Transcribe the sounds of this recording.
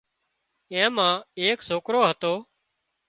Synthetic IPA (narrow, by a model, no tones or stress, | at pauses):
ẽːmãːeːksoːkɾoːɦət̪oː